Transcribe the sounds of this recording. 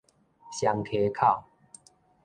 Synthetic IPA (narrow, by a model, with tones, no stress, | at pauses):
ɕja˨˦ŋkʰe˨˦kʰa˥˨ʊ